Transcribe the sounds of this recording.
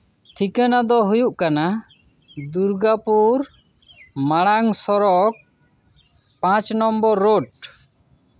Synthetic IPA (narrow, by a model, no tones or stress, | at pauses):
ʈʰikanad̪ɔɦujuʔkana | d̪uɾɡapuɾ | maɽaŋsɔɾɔk̚ | pãt͡ʃnɔmbɔɾːoʈ̚